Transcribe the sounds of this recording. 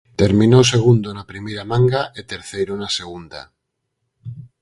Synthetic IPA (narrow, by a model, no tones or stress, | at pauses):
t̪eɾmĩnoseɣ̞und̪onapɾimejɾamãŋɡaʔet̪eɾθejɾonaseɣ̞und̪a̰